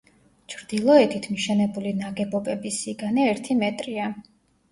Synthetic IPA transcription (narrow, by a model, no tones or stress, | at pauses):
t͡ʃʰɾd̪̥ilˠɔɛt̪ʰit̪ʰmiʃɛnɛbulinaɡɛbɔbɛbisiɡanɛɛɾt̪ʰimɛt̪ʼɾia